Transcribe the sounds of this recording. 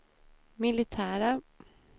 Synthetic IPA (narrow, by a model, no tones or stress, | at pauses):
mɪlɪt̪ʰæːɾa